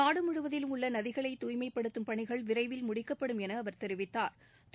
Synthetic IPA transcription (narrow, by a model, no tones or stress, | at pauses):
aːɽɯmʊɻɯʋɐðɪlɯmʊɭːɐnɐðɪɣɐɭɐɪt̪uːjmɐɪpːɐɽɯt̪ːɯmpɐɳɪɣɐɭʋɪɾɐɪʋɪlmʊɽɪkːɐpːɐɽɯmɛnɐːʋɐɾt̪ɛɾɪʋɪt̪ːaːɾ | t̪